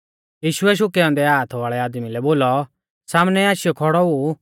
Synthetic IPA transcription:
jiːʃʊɛʃ̬ʊkɛɔ̃ːnd̪ɛaːt̪ʰʋaːɭɛaːd̪milɛboːlɔ | saːmnɛaːʃɪjɔkʰɔɽɔu

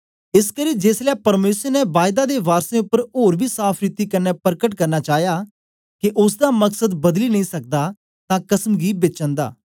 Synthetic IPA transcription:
ɪskəɾĩːd͡ʒeːslɛːpəɾmeːsəɾnɛːbaːjd̪aːd̪eːʋaːɾsẽːʊpːəɾɦoːɾbiːsaːpʰɾɪt̪iːkənːɛːpəɾkəʈkəɾnaːt͡ʃaːjaː | kɪʔʊsd̪aːməksəd̪bəd̪liːnə̃ĩːsək̚d̪aː | t̪ãːkəsmɡiːbet͡ʃə̃nd̪a̰ː

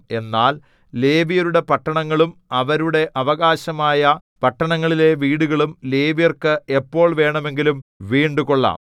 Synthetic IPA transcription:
e̞nːaːl | le̞ːʋijɐɾuɽe̞pɐʈːɐɳɐŋːɐɭumɐʋɐɾuɽe̞ʔɐʋɐɣaːɕɐmaːjɐpɐʈːɐɳɐŋːɐɭile̞ʋiːɽuɣɐɭumle̞ːʋijɐrkɨepːo̞ːɭʋe̞ːɳɐme̞ŋɡilumʋiːɳɖukoɭːa̰ːm

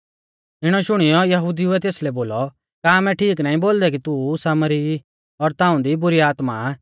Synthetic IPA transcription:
ɪɽ̃ɔʃʊɽ̃ɪjɔjɐɦuːd̪iʊɛt̪eːslɛboːlɔ | kaːmɛʈʰiːknaːĩboːld̪ɛk̬it̪usaːməɾi | ɔɾt̪ãːũd̪ibʊɾiaːt̪ma

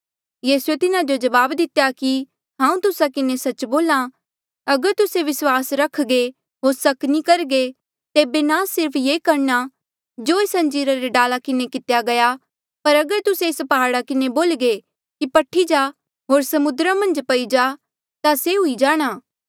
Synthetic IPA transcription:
jiːsuet̪ɪnad͡ʒod͡ʒɐʋaːbd̪ɪt̪jaki | ɦãːũt̪ʊsakɪnesɐt͡ʃboːla | ɐɡəɾt̪ʊseʋɪswaːsɾɐkʰɡe | ɦoːɾsɐknikɐɾɡe | t̪eːbenasɪɾpʰjeːkɐɾna | d͡ʒoːesɐ̃nd͡ʒiːɾaɾeɖaːlakɪnekɪt̪jaɡɐja | pɐɾɐɡəɾt̪ʊseɪspɐɦaːɽakɪneboːlɡe | kipɐʈʰid͡ʒaː | ɦoːɾsɐmʊd̪ɾamɐ̃nd͡ʒpɐid͡ʒaː | t̪aseɦʊid͡ʒaːɽ̃aː

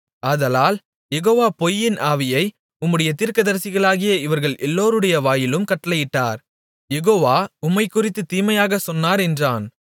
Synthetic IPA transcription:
ɐðɐlaːl | jɛɣoːʋaːpɔjːɪnʔaːʋɪjɐɪ | ʊmːɯɽɐjɐt̪iːɾkɐðɐɾsɪɣɐɭaːɣɪjɐɪʋɐɾɣɐɭʔɛlːoːɾɯɽɐjɐʋaːjɪlɯmkɐʈːɐlɐjɪʈːa̰ːɾ | jɛɣoːʋaːʊmːɐɪkːʊrɪt̪ːɯt̪ːiːmɐjaːɣɐsɔnːaːɾɛndraːn

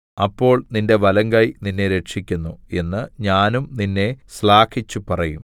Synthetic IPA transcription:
ɐpːo̞ːɭninde̞ʋɐlɐŋɡɐjninːe̞ɾe̞ʈʂikʲːunːue̞nːɨɲaːnumninːe̞sɭaːkʰit͡ɕːupɐrɐjum

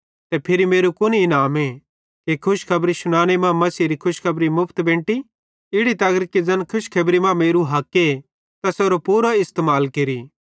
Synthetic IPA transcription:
t̪ɛpʰɪɾimeːɾukʊnɪnaːme | kekʰʊʃkʰɐbɾisʊɽ̃aːñemãmɐsiːɾikʰʊʃkʰɐbɾimʊpʰt̪bẽːʈi | ɪɽit̪ɐɡəɾkid͡zɐnkʰʊʃkʰɐbɾimãmeːɾuɦɐkːe | t̪ɐsoːɾopuːɾaɪst̪eːmaːlkeɾiː

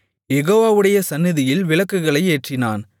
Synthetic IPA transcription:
jɛɣoːʋaːʋɯɽɐjɐsɐnːɪðɪjɪlʋɪlɐkːɯɣɐɭɐɪeːʈrɪna̰ːn

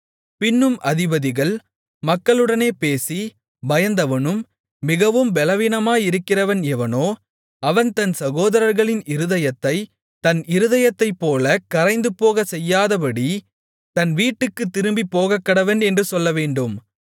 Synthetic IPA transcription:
pɪnːɯmʔɐðɪbɐðɪɣɐɭ | mɐkːɐɭɯɽɐneːpeːsi | bɐjɐnd̪ɐʋɐnɯmː | ɪɣɐʋɯmbɛlɐʋɪnɐmaːjɪɾɯkːɪrɐʋɐnɛʋɐnoː | ɐʋɐnt̪ɐnsɐɣoːðɐɾɐɾɣɐɭɪnɪɾɯðɐjɐt̪ːɐɪ | t̪ɐnɪɾɯðɐjɐt̪ːɐɪpːoːlɐkɐɾɐɪnd̪ɯpːoːɣɐsɛjːaːðɐpɐɽi | t̪ɐnʋiːʈːɯkːɯt̪ːɪɾɯmbipːoːɣɐkːɐɽɐʋɐnɛndrɯsɔlːɐʋeːɳɖɯm

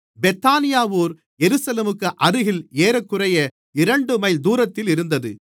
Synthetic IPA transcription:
bɛt̪ːaːnɪjaːʋoːɾ | jɛɾɯsɐleːmɯkːɯʔɐɾɯɣɪleːɾɐkːɯrɐjɐ | ɪɾɐɳɖɯmɐɪld̪uːɾɐt̪ːɪlɪɾɯnd̪ɐðɯ

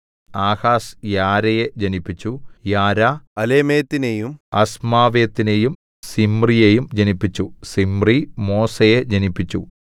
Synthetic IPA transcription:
aːhaːsjaːɾɐjed͡ʑɐnipːit͡ɕːujaːɾaɐlemeːt̪ːinejumɐsmaːʋeːt̪ːinejum | simrijejumd͡ʑɐnipːit͡ɕːusimrimo̞ːsɐjed͡ʑɐnipːit͡ɕːu

